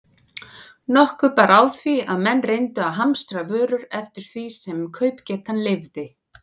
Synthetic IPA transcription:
nɔhkʏpaːɾʔaːwθviaðmɛnːrejnt̪ʏawɦamst̪ɾavœːɾʏɾɛft̪ɪɾ̥θvisɛmkʰœːɥpcɛːt̪anlɪvðɪ

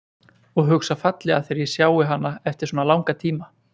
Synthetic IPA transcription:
ɔɣɦʏksafat̪lɛaθɛɾi̥sjaːwɪɦanːaɛft̪ɪɾ̥soɔːnalaːwŋkat̪ʰiːma

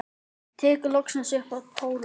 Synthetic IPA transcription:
t̪ʰɛːkʏlɔksansʏhkvaðpʰoːwl

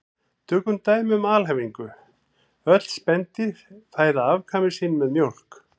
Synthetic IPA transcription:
t̪ʰœːkʏmt̪aːjmʏmaːlɦɛviŋkʏ | œt̪lspɛnt̪ɪɾ̥θaːjðaavkʰaːmɪsiːnmɛðmjowl̥k

